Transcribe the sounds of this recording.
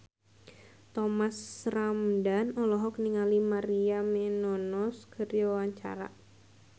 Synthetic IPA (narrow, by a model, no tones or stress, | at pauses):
t̪ɔmasramdanɔlɔɦɔk̚niŋalimaɾiamɛnɔnɔskʰərjawaɲt͡ʃa̰ɾa̰